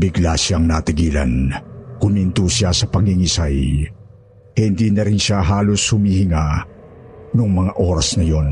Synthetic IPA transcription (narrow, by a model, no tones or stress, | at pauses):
bɪɡlasjaŋnat̪ɪɡiːla̰nkʊmint̪usjasɐpɐŋhɪŋisaj | hɪnd̪inɐɾɪnʃaɦaːloshʊmihɪŋa | nʊŋmɐŋaʔo̞ːɾɐsnɐjo̞n